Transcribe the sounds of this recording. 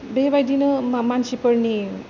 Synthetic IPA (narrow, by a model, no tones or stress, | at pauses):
bebajd̪inʌmansipʌɾni